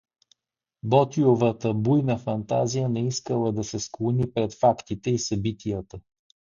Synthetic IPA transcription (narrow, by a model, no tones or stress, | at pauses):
bɔt̪iovət̪əbujnəfɐnt̪a̰zijənɛiskəlˠəd̪ɐsɛsklˠonipɾɛt̪fakt̪it̪ɛisɐbit̪ʰijət̪ə